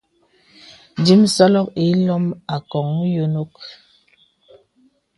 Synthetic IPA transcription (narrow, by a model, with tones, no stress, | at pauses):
di˦msa˦lɔ˦ki˨˦lɔ˦ma˨kɔ˨ŋ˦jo˦no˦k̚